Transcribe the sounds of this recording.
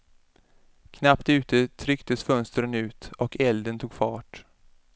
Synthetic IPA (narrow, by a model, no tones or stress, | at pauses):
kʰnapt̪ʉ̟ːt̪ət̪ʰɾʏkt̪əsfœnst̪ɾənʉ̟ːt̪ɔkʰɛld̪ənt̪ʰuːɡfɑːʈ